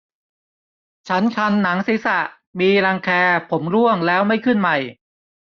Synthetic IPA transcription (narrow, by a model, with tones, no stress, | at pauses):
t͡ɕʰa˦˥nkʰa˧nːa˩˦ŋsi˨˦˥sa˨˩ʔ | miː˧ɾa˧ŋkʰɛː˧pʰo˩˦mɾu˥˩əŋlɛː˦˥wma˥˩jkʰɯ˥˩nma˧˩j